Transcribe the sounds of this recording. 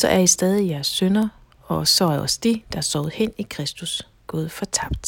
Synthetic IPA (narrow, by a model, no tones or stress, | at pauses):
sɒ̽ʔæɐisd̥ɛːð̞ˠijæɐsːønɐ | ɒ̽sɒ̽æɐɒ̽sd̥id̥ɑæsɒʊð̩ˠhen̰ikʰʁɛsd̥us | ɡ̥ɔ̽ːð̩ˠfɒ̽t͡sʰɑ̈b̥̚d̥